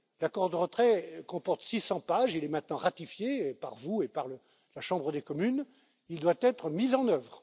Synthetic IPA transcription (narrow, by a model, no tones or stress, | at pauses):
lakɔʁd̪əʁət̪χɛkɔ̃pɔʁt̪sisɑ̃paʒilɛmɛ̃t̪nɑ̃ʁat̪ifjepa̰ʁvuepaʁlə | laʃɑ̃bʁəd̪ekɔmyn | ild̪wat̪ɛt̪χəmizɑ̃nœvʁ